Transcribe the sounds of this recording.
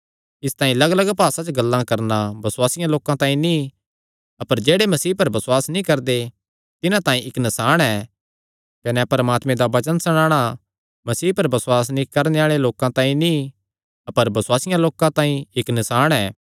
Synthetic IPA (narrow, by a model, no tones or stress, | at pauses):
ɪst̪aːĩlɐɡlɐɡpaːsat͡ʃɡɐlːãkɐɾnabɐsʊwaːsɪjãloːkãt̪ãːĩni | ɐpəɾd͡ʒeːɽemɐsiːpɐɾbɐsʊwaːsnĩkɐɾd̪e | t̪ɪnãt̪ãːĩɪknɪsaːɽ̃ɛː | kɐnɛpɐɾmaːt̪mẽd̪aʋɐt͡ʃənsɐɽ̃ãːɽ̃a | mɐsiːpɐɾbɐswaːs̬nĩkɐɾneaːɭeloːkãt̪ãːĩni | ɐpəɾbɐswaːsɪjãloːkãt̪ãːĩɪknɪsaːɽ̃ɛː